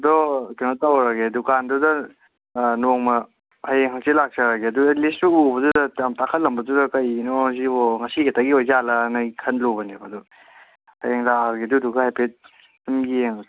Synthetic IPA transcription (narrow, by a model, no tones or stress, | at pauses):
ɐdɔkenɔtawɾaɡedukandudɐ | noŋmɐ | hajeŋɦasilak̚t͡ʃaɾaɡeɐdudɐlisuubɐdudɐjamtakʰɐt̚lɐmbɐdudɐkɐjnɔziɔŋɐsiɡetaɡiojzalɐnakʰɐnlobɐnebɐdu | hajeŋlakaɡiɐduduɡɐhajpet̚ | sumɡieŋ